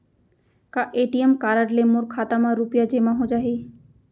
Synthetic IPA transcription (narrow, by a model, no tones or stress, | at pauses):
kaʔeʈiemkaɾaɖlemoɾkʰat̪amaɾupijad͡ʑemaɦod͡ʑaɦe